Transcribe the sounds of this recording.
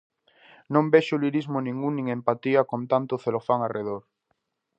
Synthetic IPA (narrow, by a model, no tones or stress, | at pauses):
nõmbeʃoliɾizmonĩŋuŋnĩŋempat̪iakõnt̪ant̪oθelofaŋarʔeðoɾ